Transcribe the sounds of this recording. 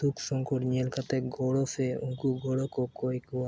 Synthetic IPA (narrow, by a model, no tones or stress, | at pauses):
t̪ukʃɔŋkoʈɲelkʰat̪eɡʱɔɽofeuŋkuɡʱoɽokokojkua